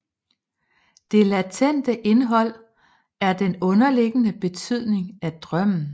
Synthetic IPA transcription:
d̥e̝læt͡sʰen̰d̥əʔe̝nɦɒ̽l̰ | æɐd̥enɔ̽nɐle̝ɡ̥ənəb̥e̝t͡sʰyð̰ˠne̝ŋæd̥ʁɶm̰n̩

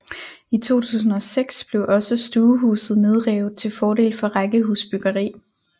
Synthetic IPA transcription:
it͡sʰo̝̰ːt͡sʰṵːs̬n̩ɒ̽seɡ̥sb̥le̝ʊʔɒ̽səsd̥uːɦṵːsð̞̩ˠne̝ð̞ˠʁɛːʊð̩ˠt͡sʰe̝lfɒːɾe̝̰ːlfɒ̽ʁaɡ̥əɦuːsb̥yɡ̥ɐʁḭː

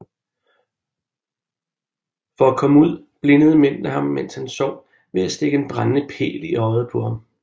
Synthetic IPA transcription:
fɒ̽ækʰɒ̽məuð̰ˠ | b̥le̝nəð̞ˠəmem̰d̥ləhɑ̈mːen̰shænsɒ̰ʊ̰ | ʋe̝æsd̥e̝ɡ̥əenb̥ʁannəpʰe̝̰ːliɒ̽ɪð̩ˠpʰoɑm

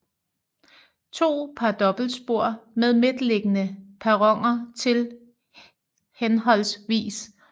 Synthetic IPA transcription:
t͡sʰo̝̰ːpʰɑd̥ɒ̽b̥l̩sb̥o̝ɐ̰með̞ˠmed̥le̝ɡ̥ənəpʰæʁɒ̽ŋ̰ɐt͡sʰe̝l | henɦɒ̽l̰sʋḭːs

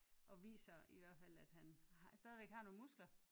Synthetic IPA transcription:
ʔɒ̽ʋḭːsɐiʋæɐ̰d̥fæl̰æd̥hænhsd̥ɛːð̞ˠʋeɡ̥hɑ̈ːno̝ːn̩musɡ̥lɐ

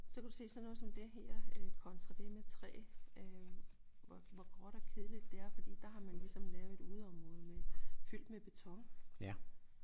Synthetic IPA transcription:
sɒ̽kʰæd̥use̝̰ːsɒ̽nɔ̽ːðˠsɒ̽md̥e̝ɦeɐ̰kʰɒ̽nt͡sʰʁɑd̥e̝met͡sʰʁɛ̰ːø | ʋɒʋɒɡ̥ʁɒɾ̥ɒkʰe̝ðˠlid̥ːe̝æɐfɒ̽d̥ḭːd̥ɑ̈ɦɑ̈mænlisɒ̽mlɛʊeduð̩ˠɒ̽mʁɔ̽ːð̞ˠmefyl̰d̥meb̥e̝t͡sʰɒ̽ŋ

